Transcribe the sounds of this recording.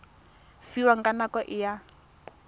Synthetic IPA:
fiwaŋɡanakɔʔija

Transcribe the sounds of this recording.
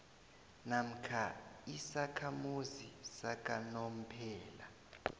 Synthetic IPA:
nam̩kʰaisakʰamuzisakʼanom̩pʰɛːla

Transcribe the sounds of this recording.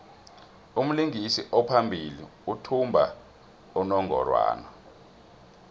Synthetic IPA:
um̩liŋisiʔɔpʰambʱiliutʰumbʱa | unɔŋʱɔ̰rwa̰ːnɔ

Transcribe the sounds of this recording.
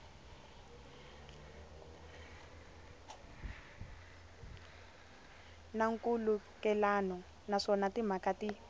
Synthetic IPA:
naŋkulu | kɛlanɔ | naʂɔnatim̤akati

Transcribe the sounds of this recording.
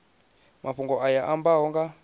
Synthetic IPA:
mʔaɸuŋɡɔʔajaʔambaɔŋɡa

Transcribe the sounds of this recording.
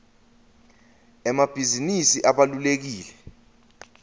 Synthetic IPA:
ɛmab̥ʱizinisiʔaɓalulek̬iːlɛ

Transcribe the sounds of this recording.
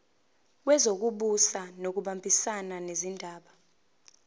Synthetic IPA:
wɛzok̬uɓusanok̬uɓambʱisananezindʱaːɓa

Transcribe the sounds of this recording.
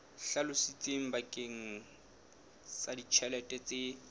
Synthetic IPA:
ɬalʊsit͡sʼeŋ̩bakʼeŋ̩ | sadit͡ʃʰɛlɛtʼɛt͡sʼe

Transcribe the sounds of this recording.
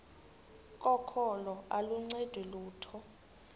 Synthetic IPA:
kʼɔkʰɔlɔaluŋ͡ǀɛd̥ʱwɛluːtʰɔ

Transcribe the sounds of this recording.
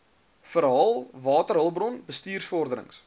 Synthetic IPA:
fəɾɦɐlˠvɑːtərɦəlˠbrɔnbəstiːrsfɔrdəɾə̰ŋs

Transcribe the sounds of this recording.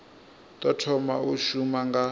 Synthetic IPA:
tʼɔtʰɔmauʃumaŋɡa

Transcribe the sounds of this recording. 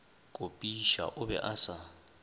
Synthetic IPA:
kʼʊpʼiʃa̰ʔʊbɛ̰ʔasa

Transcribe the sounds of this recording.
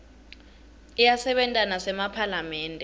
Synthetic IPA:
ijasɛɓɛntʼanasɛmapʰalamɛːntʼɛ

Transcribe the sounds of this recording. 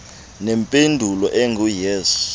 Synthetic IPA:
nɛmpʼendʱulɔʔɛŋɡujeːsu̥

